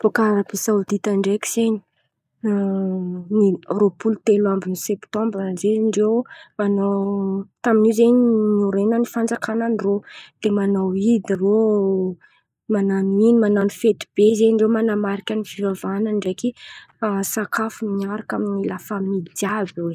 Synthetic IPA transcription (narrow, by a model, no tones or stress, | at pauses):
pokaɾapisaud̪it̪aɳɖ͡ʐekʲi̥z̥eɲi̥ | niropult̪elambinisɛpt̪ɔ̃mbɾzeɳɖ͡ʐewmanawt̪aminizeɲinuɾenənifand͡zakananirod̪̥emanawid̪iro | mananinimananifet̪ib̥ezeɳɖ͡ʐewmanamaɾikʲənifivavanəɳɖ͡ʐekiasakʰafumiɲaɾakaminilafamid̪iabwe